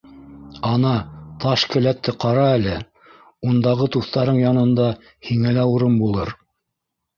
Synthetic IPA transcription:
ɑnɑt̪ɑʃkɘ̆læt̪ːɘqɑɾɑælɘ | und̪ɑʁɤt̪uθt̪ɑɾɤɴjɑnɤ̆nd̪ɑ | hiŋælæuɾɤmbulˠɤɾ

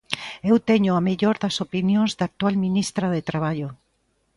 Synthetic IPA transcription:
ewt̪ɛɲʊameʎoɾðɐsopinjõŋzðak̚t̪ualminist̪ɾaðet̪ɾaβ̞aʎo

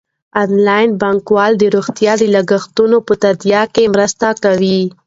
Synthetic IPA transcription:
ɑnlɑjnbɑŋkwɑld̪əɾuɣt̪jɑd̪əlaɡaxt̪unopət̪ad̪jɑkemɾəst̪akawi

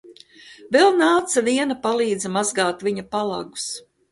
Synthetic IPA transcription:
vɛlˠnaːt̪saviɛnapalˠiːd̪zɛmazɡaːt̪vʲiɲɐpalˠa̰ɡu̥s

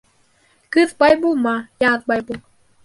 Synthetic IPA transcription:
kɯt̪̚bajbumːajaːt̪̚bajbu

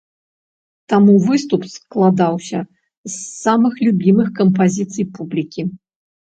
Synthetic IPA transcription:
t̪amuvɨst̪upsklˠad̪awsʲɐ | zːamɨxlʲubʲimɨxkɐmpazʲit̪sɨjpublʲikʲi

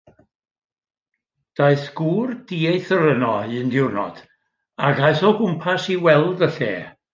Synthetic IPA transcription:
d̥aɨθɡ̥uːrd̥iːejθəɾənɔɨəndɪwrnɔ̰d̥ | aɡajθɔɡʊmpʰasiwɛlˠdəɬeː

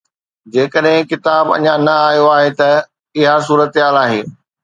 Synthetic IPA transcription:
d͡ʑeːkəɗɦɪ̃kɪt̪aːbɐ̰ɲãnɐaːɦijoaːɦet̪ɐ | ɪɦas̬uːɾət̪ɪɦaːlaːɦeː

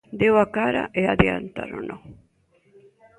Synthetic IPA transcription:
d̪ewakaɾa̰ʔeaðeant̪a̰ɾo̰nʔo

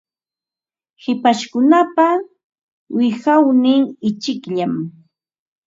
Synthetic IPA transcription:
hɪpaʃkʊnapa | wɪxawnɪŋɪt͡ʃɪkʎam

